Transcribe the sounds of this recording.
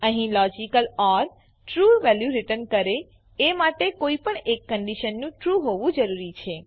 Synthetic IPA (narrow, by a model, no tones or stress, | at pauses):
əɦĩlɔd͡ʒikəlɔɾ | ʈɾuʋɛljuɾiʈənkəɾe | emaʈekoipəɳekːəɳɖiʃənːũʈɾuɦoʋũd͡ʒəɾuɾit͡ʃʰe